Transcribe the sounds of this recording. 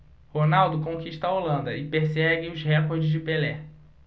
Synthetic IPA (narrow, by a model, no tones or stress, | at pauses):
honawd̪ʊkõkiʃt̪ɐaolɐ̃nd̪ɐɪpeɾsɛɡɪʊzhɛkoɾd͡ʒɪzd͡ʒɪpelɛ